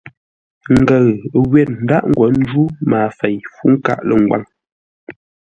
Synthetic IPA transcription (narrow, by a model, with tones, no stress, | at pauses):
ŋ̩˨ɡə˨ɣɣwɛ˨t̚n̩˨˦da˦ʔŋ̩˨ɡwɔ˨˦n̩˦d͡ʒu˦maː˨fɛ˨jfu˦ŋ̩˦ka̰˦˨ʔlə˨ŋ˨ɡwa̰˦˨ŋ